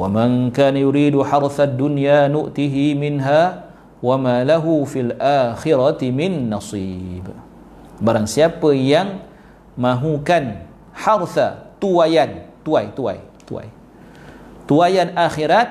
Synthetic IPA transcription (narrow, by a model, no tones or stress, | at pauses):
wamaŋkaːnajuɾiːduħɑɾθad̪ːunjanʊʔt̪iɦimɪnɦa | wamalaɦufilʔaːxɪɾat̪imɪnːɑsiːb | baɾaŋsiapəjaŋ | mãɦukan | ħarθat̪uajant̪uajt̪ua̰jt̪ua̰j | t̪uajanʔaxiɾat̪̚